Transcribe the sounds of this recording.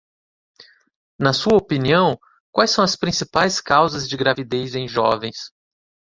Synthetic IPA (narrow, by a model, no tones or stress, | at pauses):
nɐsuɐopiniɐ̃w̃ | kwajsɐ̃w̃ɐspɾĩsipajskawzɐzd͡ʒɪɡɾavid̪ejzẽj̃ʒɔvẽj̃s